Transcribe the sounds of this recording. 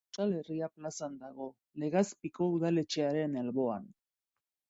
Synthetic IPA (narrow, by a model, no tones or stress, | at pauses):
t͡ʃale̞riaplasand̪aɣ̞o̞ | le̞ɣaspiko̞uðale̞t͡ʃeaɾe̞nelβo̞a̰n